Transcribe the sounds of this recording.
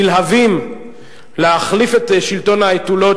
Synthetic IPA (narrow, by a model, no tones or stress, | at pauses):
ilɦavim | leaχlifet̪ʃilto̞nhaetulo̞